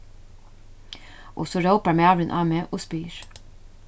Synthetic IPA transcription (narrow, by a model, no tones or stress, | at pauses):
ʔo̰soːɾəʊpəɹmeːɑːʋɾənʔɑːmeːʔoːspyːɹ